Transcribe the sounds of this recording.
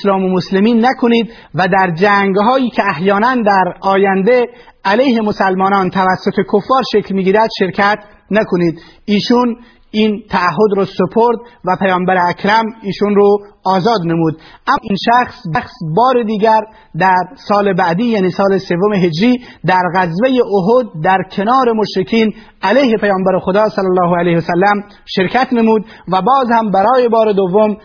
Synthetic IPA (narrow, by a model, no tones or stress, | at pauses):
slɒːmomoslemiːnːækʰoniːd̪ | væd̪æɾd͡ʒæŋɡɦɒːjiːkʲʰeæhjɒːnænd̪æɾɒːjænd̪e | ælejhe̞mosælmɒːnɒːnt̪ʰævæsːot̪ʰe̞kʰofːɒːɾʃeklmiːɡiːɾæd̪̥ʃe̞ɾkʰæt̪ | nækʰoniːd̪ | iːʃun | iːnt̪ʰæːɦːod̪ɾɔːsepʰoɾd̪væpʰæjɒːmbæɾeækʰɾæmiːʃunɾoɒːzɒːd̪nemuːd̪ʔæminʃæxsbæxsbɒːɾed̪iːɡæɾ | d̪æɾsɒːlebæʔd̪iːjæːniːsɒːlese̞vːomeɦed͡ʒɾiːd̪æɾɣæzvejeʔoɦod̪̚ːæɾkʰe̞nɒːɾe̞moʃɾekʰiːn | ælejhe̞pʰæjɒːmbæɾexod̪ɒːsælːælːɒːɦoælejhsælːæm | ʃe̞ɾkʰæt̪nemuːd̪ | væbɒːzhæmbæɾɒːjebɒːɾed̪ovːom